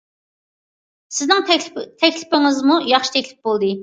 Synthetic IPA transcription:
sɪznɪŋt̪ʰɛkʲlɪ̥pɪŋɪzmujɑχʃi̥t̪ʰɛkʲlɪp̚bolˠd̪ɨ

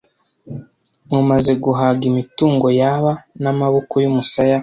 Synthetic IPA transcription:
mŋumaze̞ɡuɦaɡimituːŋɡo̞jaβanamaβokojumusaja

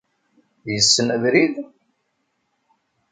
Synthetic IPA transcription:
jəsːənəðɾið

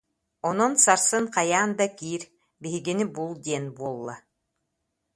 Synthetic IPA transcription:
ɔnɔnsaɾsɯŋqajaːnd̪akiːɾ | biɦiɡinibulˠd̪iɛnbuɔlˠːa̰

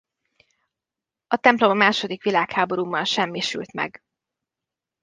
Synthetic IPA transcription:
ɒt̪ɛmplo̞mːaːʃo̞d̪ikʋilaːkhaːbo̞ɾuːmːɒnʃɛmːiʃy̰lt̪mɛ̰ɡ

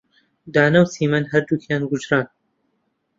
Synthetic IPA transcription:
d̪aːnɐwsiːmɐnɦɐɾd̪ukʰjaːnɡʊd͡ʒɾaːn

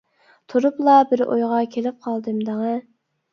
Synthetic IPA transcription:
t̪ʰuɾuplˠɑbɪɾʔo̰jʁɑkʲʰelɪp̚qʰɑlˠd̪ɨmd̪əŋə

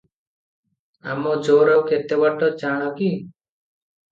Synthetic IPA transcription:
a̰mɔd͡ʒoːɾɔket̪ebaʈɔd͡ʒaːɽ̃ɔki

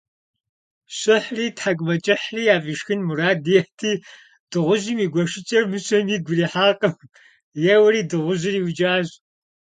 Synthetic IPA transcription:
ɕɨħriːtħakʷʼmɐt͡ʃʼɐħriːjaːfiʂxɨnmuɾaːdijɛħtʰiː | d̥ɨʁʷʊʑiːmiːɡʷɔʃɪt͡ʃʼɐrmɨɕʼɐmiːd̚ɡʷʊriːħaːqʼəm | jɛwɐɾiːdɨʁʷʊʑɪriːwd͡ʒʼaːʑ

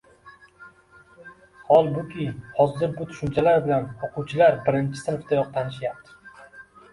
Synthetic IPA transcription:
hɒlˠbʊkʲʰɪhɒzɪɾbʊt̪ʰʊ̥ʃʊmt͡ʃʰalaɾbɪlanoqʰʊwt͡ʃʰɪlaɾbɪɾɪnt͡ʃʰɪ̥sɪnft̪ajɒq̚t̪ʰanɪʃjap̚t̪ʰɪ̥

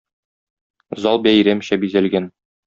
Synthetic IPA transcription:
zɑlˠbæjɾæmɕæbizælɡæn

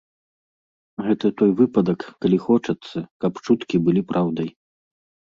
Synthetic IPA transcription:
ɣɛt̪ɐt̪ɔjvɨpɐd̪ɐkːɐlʲixɔt͡ʂɐt̪sːɐkɐpt͡ʂut̪kʲibɨlʲipɾʔawd̪ɐj

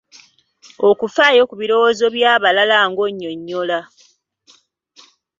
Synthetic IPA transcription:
o̞kufaːjo̞kuβiɾo̞wozo̞βjaːβalalaːŋɡo̞ɲːo̞ɲːo̞la

